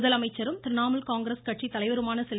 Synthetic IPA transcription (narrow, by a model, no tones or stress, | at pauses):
ðɐlɐmɐɪt͡ʃːɐɾɯmt̪ɪɾɪnaːmɐlkaːŋɡɾɐskɐʈrit̪ːɐlɐɪʋɐɾɯmaːnɐsɛl